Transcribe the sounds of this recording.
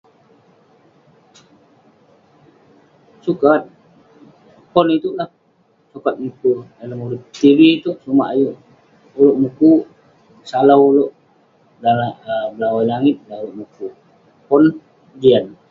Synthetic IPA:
sukat̪̚ | pɔnit̪ulah | sukat̪̚mukueləmulut̪ːiviit̪uʔsuma̰ʔajuʔ | uloʔmuku | salawuloʔ | dalabəlawajlaŋɪt̪̚dauloʔmuku | pɔn | d͡ʒian

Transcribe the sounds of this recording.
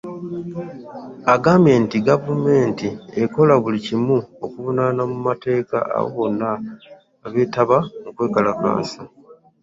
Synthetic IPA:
aɡame̞ːntiɡavume̞ːntie̞ko̞laβulicimuo̞kuβunanamumate̞ːka̰a̰wo̰βo̞nːa | βe̞ːtaβamukwe̞ːkalaka̰ːsa

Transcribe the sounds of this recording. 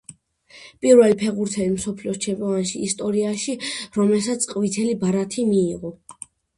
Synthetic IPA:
pʼiɾvɛlipʰɛʁuɾt̪ʰɛlimsɔpʰliɔst͡ʃʰɛmpʼɔvanʃiːst̪ʼɔɾiaʃiɾɔmɛlsat̪sʰʼqʼvit̪ʰɛlibaɾat̪ʰimiːʁɔ

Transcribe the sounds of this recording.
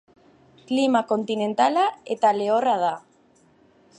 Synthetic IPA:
klimakont̪inẽnt̪alaet̪aleoraða

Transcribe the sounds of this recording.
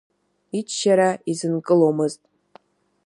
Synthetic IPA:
it͡ʃʃaɾaizɨnkʼɨlomɨztʼ

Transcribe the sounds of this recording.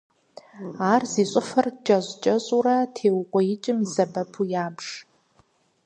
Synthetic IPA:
aːrziːɕʷʼʊfɐrd͡ʒʼɐʑʷt͡ʃʼɐɕʼuɾɐtʰeːwqʷʼɔjɪt͡ʃʼɪmzɐbɐpʰujaːbʂ

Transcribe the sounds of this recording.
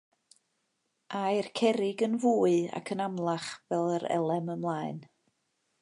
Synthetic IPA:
ʔajrkʰɛɾɪɡənvuːɨa̰kʰənamlˠaχvɛlˠəɾɛ̰lˠɛməmlˠaːɨn

